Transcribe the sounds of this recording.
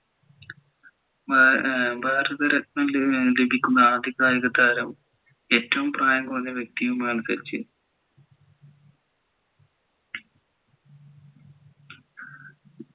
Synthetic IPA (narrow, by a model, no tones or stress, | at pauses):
bʱaːɾɐðɐɾɐknɐmlebʱikʲːunːɐaːd̪ʱjiɐɣaːɾiɣɐd̪aːɾɐm | e̞ːtːɐʋumpraːjɐmkurɐɲːɐʋje̞k̚t̪iʋumaːɳɨsɐ̰ɾit͡ɕːɨ̰